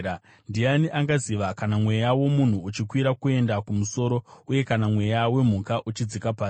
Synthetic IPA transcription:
ndianiʔaŋɡaziʋakanamwe̞jawo̞mun̤uːt͡ʃikwiɾakue̞ndakumuso̞ɾo̞uje̞kanamwe̞jawe̞m̤ukaʔut͡ʃid͡zikapaːsi

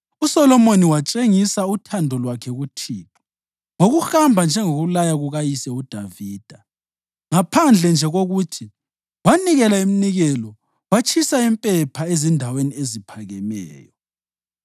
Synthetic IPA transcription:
usɔlɔmoniwat͡ʃʼeŋisautʰandʱɔlwakʰɛɣutʰiːtʰɔ̥ | ŋoɣuxambʱand͡ʒʱɛŋoɣulajaɣuɣajisɛud̥ʱaviːd̥ʱa | ŋapʰand͡ɮʱɛnd͡ʒʱɛɣoɣutʰi | waniɣɛlaim̩niɣɛlɔ | wat͡ʃʰʼisaimpʼɛpʰaezindʱaweniezipʰaɣɛmɛ̰ːjɔ

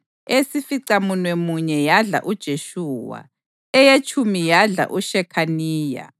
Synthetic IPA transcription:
esifiǀamunwɛmuɲɛjaɮa̰ʔud̥ʒ̥ʱeʃuːwa̰ | ɛjet͡ʃʰʼumijaɮa̰ʔuʃɛkʰaniːja̰

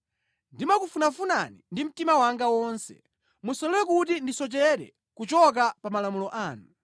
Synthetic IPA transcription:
ndimakufunafunanindim̩timawaŋɡawɔːnsɛ̰ | musɔlɛwɛk̬utindisɔt͡ʃɛɾɛ̰ | kut͡ʃɔk̬apamalamulɔʔaːnu

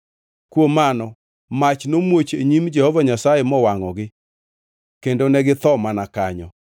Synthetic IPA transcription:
kwomanɔ | mat͡ʃnomwot͡ʃeɲimd͡ʒɛhɔvaɲasajemɔwaŋɔɡɪ | kendonɛɡɪt̪ɔmanakaɲɔ̰

